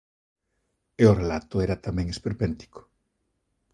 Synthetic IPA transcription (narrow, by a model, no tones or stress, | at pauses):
eorelat̪ʊɛɾat̪amɛ̃ŋespeɾpɛnt̪i̥ko̥